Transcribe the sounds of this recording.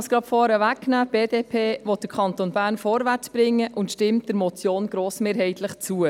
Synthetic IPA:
sɡ̥ɾɑtfɔːɾəʋækːnæːb̥eːdeːpʰeːvɔt̚d̥əɾkʰɑntoːnbæːɾnfɔɾʋæt͡sb̥ɾɪŋːəʔʊntʃtɪmt̚d̥əɾmɔt͡sjoːnɡɾoːsmeːɾɦɛɪtʰləχt͡suə

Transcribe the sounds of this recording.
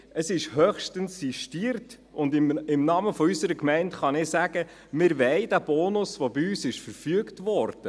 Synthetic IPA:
əsɪʃhœχʃtənssiʃtiːəɾt | ʊndɪɪmnɑməfɔysəɾəkmɛɪntχɑnɪsæɡ̥ə | mɪɾʋɛɪdæb̥ɔːnʊsʋobiyːsɪʃfəɾfyəktʋɔɾd̥ə

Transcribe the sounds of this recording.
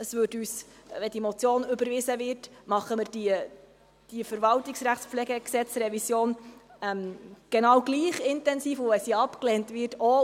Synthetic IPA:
əsʋøːtyːsʋɛdimot͡sjoːnʏbəɾʋɪsəvɪrtmɑχːəmɪɾd̥i | d̥ifəɾvɑltɪksɾæχtspflɛɡəksɛt͡sɾɛvisjoːn | ɛmɡ̥enɑwɡliːχɪntɛnsiːfʊvɛsiɑpklɛːntvɪrtʰo

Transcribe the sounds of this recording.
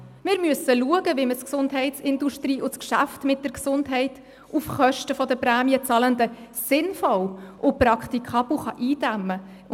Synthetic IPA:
mɪɾmyəsəluəɡəviməsksʊndɦɛɪtsɪnduʃtriːʔʊskʃæ̰ftmɪt̚d̥əɾksʊndɦɛɪt | ufχœʃtəfɔd̪əpræːmiət͡sɑləndəsɪnfɔwʔʊprɑkχt̪ikʰɑb̥l̩χɑʔiːd̥æmə

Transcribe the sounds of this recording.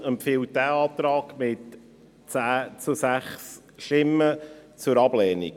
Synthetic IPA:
ɛmpfiːlt̚dæːɑːt̪ɾɑːɡmɪt | t͡sæːt͡susæχs | ʃɪmət͡sʊɾɑblɛːnḭk

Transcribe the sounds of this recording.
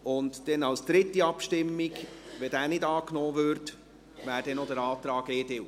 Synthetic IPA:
ʊntd̥ɛnɑlsd̪̥ɾɪtːiɑpʃtɪmːiɡʋɛdæːnɪdɑːknɔːvøɾt | ʋæːɾdɛnodəɾɑːt̪ɾɑːɡeːdɪw

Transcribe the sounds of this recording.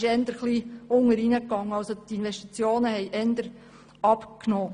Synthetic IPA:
ʃɛnd̪əɾχliʊŋəɾinəkːɑŋːəɑlsot̪inʋɛʃtit͡sjoːnəhɛɪʔɛnd̪əɾ | ɑpknoː

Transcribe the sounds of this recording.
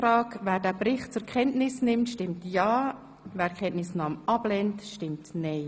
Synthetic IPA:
ɾɑːkvæːɾdæːbɾɪχtt͡sʊɾkχɛntnɪsnɪmtʃtɪmtjɑː | væːɾkʰɛntnɪsnɑːmɑb̥lɛntʃtɪmtnɛɪ

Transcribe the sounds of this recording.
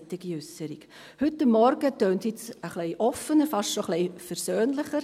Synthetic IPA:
tɪɡ̥iʏsəɾik | hʏtːəmːɔɾɡ̥ətøːnthɪt͡səχlɛɪʔɔfənəɾfɑʃtʃoχlɛɪfɛɾsøːnlɪχəɾ

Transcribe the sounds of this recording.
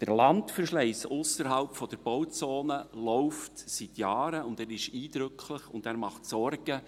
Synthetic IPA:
d̥əɾlɑntfərʃlɛɪsʊsəɾɦɑlpfɔd̥əɾb̥ɔwt͡soːnəlɔʊftsitjɑːɾəʊndæːɾɪʃiːd̥ɾʏkʰlɪχʊ̰ndæːɾmɑχtsɔrɡ̥ə

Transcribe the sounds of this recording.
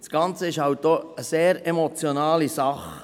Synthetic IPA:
sɡ̥ɑnt͡səɪʃhɑwt̚d̥oːəseːɾemot͡sjonɑːlisɑχ

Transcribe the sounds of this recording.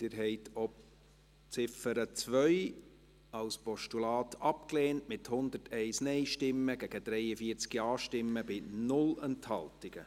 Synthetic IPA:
d̥ɪɾɦɛɪtʰɔp | t͡sɪfəɾət͡svœʏ | ɑlspɔʃtulɑːtʰɑpkleːntmɪthʊnd̪əɾtɛɪsnɛɪʃtɪmːəɡ̥æɡ̥əd̥ɾɛɪəfiːəɾt͡skiɑːʃtɪmːəbɪnʊlɛnthɑltɪɡ̥ə

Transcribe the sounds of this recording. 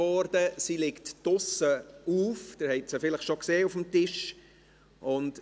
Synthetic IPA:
ɔɾdəsilɪktd̥ʊsəuːfd̥ɪɾhɛɪtsəfɪləχʃokseːufəmtɪʃ | ʔʊnt

